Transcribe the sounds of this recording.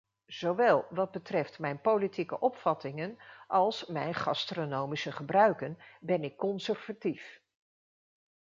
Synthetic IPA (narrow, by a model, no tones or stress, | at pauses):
z̥owʋɛlˠʋɑd̚bətrɛftmɛjnpolitikəʔɔpfɑtɪŋənʔɑlˠsmɛjnχɑ̰stronowmisəχəbrœɥkənbɛnɪkːɔnsɛrv̥atif